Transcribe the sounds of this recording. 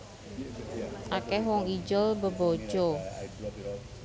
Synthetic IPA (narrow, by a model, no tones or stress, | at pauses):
ʔakɛhwɔŋid͡ʒəlbəbo̥d͡ʒo